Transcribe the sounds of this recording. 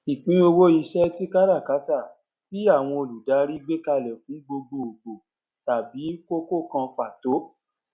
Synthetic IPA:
i˨k͡pĩ˨˦o˧wo˦i˧ʃɛ˦ti˦ka˦ɾa˦˨ka˨˦ta˦˨ | ti˦a˦˨w̃ɔ̃˧o˧˨lu˨da˨˦ɾi˦ɡ͡be˦ka˧lɛ˨fĩ˨˦ɡ͡bo˧ɡ͡bo˨o˨ɡ͡bo˨ | ta˨bi˨˦ko˦ko˦˨kã˧k͡pa˨to˨˦

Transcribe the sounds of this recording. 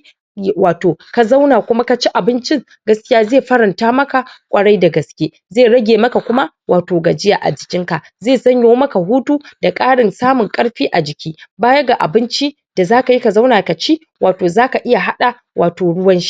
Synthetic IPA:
waː˨toː˨ka˨za˦wnaː˨kʷʊ˦ma˦ka˨t͡ʃi˦ʔa˨bɪ˦nt͡ʃɪ˦ŋ | ɡɐ˦skʲɪ˦jaː˦zeː˦˨ɸɐ˦ɾɐ˨ntaː˦mɐ˦ka˨kʷʼɐ˨ɽa˦jda˨ɡɐ˨skʲeː˦ | zeː˦˨ɽɐ˦ɡʲeː˨mɐ˦ka˨kʷʊ˦ma˦ | wʔaː˨toː˨ɡa˨d͡ʒɪ˦jaː˨ʔa̰˨d͡ʒɪ˨kʲɪ˦ŋka˨ | zeː˦˨sɐ˦ɲjo˦mɐ˦ka˨ɦuː˦tuː˦d̥a˨kʼaː˦ɽɪ˨nsaː˦mʊ˨ŋkʼɐ˦ɽɸiː˦ʔa˨d͡ʒɪ˨kʲiː˦baː˦jɐ˦ɡa˨ʔa̰˨bɪ˦nt͡ʃi˦ | d̥a˨zaː˦ka˨ji˦ka˨za˦wnaː˨ka˨t͡ʃi˦ | wʔaː˨toː˨zaː˦ka˨ʔɪ˦ja˨ɦa˦ɗa˨ | wʔaː˨toː˨ɽʊ˦wɐ˦nʃi̥˦

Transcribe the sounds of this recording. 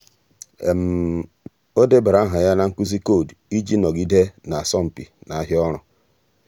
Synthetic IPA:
e˨m̩˨ | o˦de˦ba˨ɾa˦ɦa˨ja˦na˦ŋ̩˦ku˦zi˦ko˦˨di˦d͡ʒi˦nɔ˨ɡi˦de˦na˨a˨sɔ˦m̩˨pḭ˨na˨a˦ɦjɔ˦ɾ̃ʊ˨

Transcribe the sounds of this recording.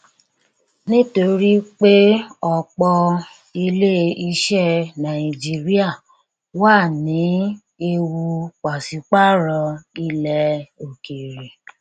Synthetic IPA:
nĩ˦to˧ɾi˦k͡pe˦ɔ˨k͡pɔ˧ | i˧le˦i˧ʃɛ˦nã˨i˨d͡ʒi˧˦ɾi˦a˦˨ | waː˦˨nĩ˨˦ | e˧wu˧k͡pa˨si˨˦k͡pa˦˨ɾɔ˧i˧lɛ˧o˨ke˨ɾe˨

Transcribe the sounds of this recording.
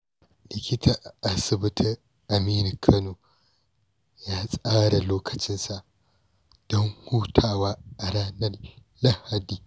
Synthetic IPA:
lɪ˨kʲɪ˦tʰɐ˨ʔa˨sɪ˨bɪ˦tʰɪ˦ | ʔa˨miː˦ni˨kʰɐ˦noː˨ | jaː˦sʼaː˦ɽa˨loː˦kʰɐ̥˨t͡ʃɪ˦nsa˨ʔ | d̥ɔ˦ŋhuː˦tʰaː˨waː˦ʔa˨ɾaː˦nɐ˦rː | a˦ha˨diː˨

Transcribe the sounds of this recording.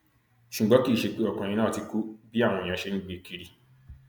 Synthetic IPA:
ʃu˨ɡ͡bɔ˨˦ki˦˨ʃe˧k͡pe˦ɔ˨kã˨ĩ˧nã˦˨ti˧ku˦bi˦a˦˨w̃ɔ̃˧˨ã˧˦ʃe˦nĩ˦ɡ͡be˨ki˧ɾi˧

